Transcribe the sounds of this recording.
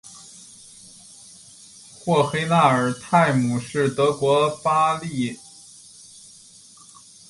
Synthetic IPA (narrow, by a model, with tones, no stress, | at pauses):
xwɔ˥˩xe˥ɪna˥˩ə˞˨˩t̪ʰa˥˩ɪmu˨˩ʂɻ̩˥˩t̪ɤ˧˥kwɔ˧˥pa˥li˥˩